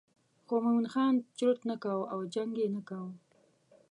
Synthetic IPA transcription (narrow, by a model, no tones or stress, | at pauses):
xomamunxɑnt͡ʃɾʊʈ̪nakawawd͡ʒaŋɡenakaw